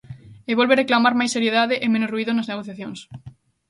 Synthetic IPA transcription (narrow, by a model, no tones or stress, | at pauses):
eβolβeɾeklamaɾmajsːeɾjeðaðɪʔemẽnosruiðonɐzneɣoθjaθjõŋs